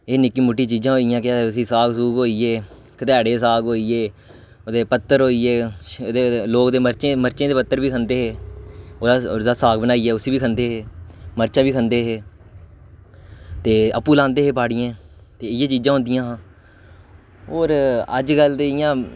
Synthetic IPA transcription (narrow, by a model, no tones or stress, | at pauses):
eːnɪkːiːmʊʈːiːt͡ʃiːd͡ʒãːɦoːijãːkɪaːʊsĩːsaːɡsuːkɦoːiːeː | kət̪ɛːɽeːsaːɡɦoːiːeː | oːd̪eːpət̪ːəɾɦoːiːeːd̪eːloːkd̪eːməɾt͡ʃẽːməɾt͡ʃẽːd̪eːpət̪ːəɾbiːkʰənd̪eːɦeːoːd̪aːd̪aːsaːkbənaːiːɛːʊsiːbiːkʰənd̪eːɦeːməɾt͡ʃãːbiːkʰənd̪eːɦeː | t̪eːəpːuːlãːnd̪eːɦeːpaːɽɪjãːt̪eːɪjãːt͡ʃiːd͡ʒãːɦʊ̃nd̪ijãːɦãː | oːɾə̰d͡ʒɡəld̪eːɪjãː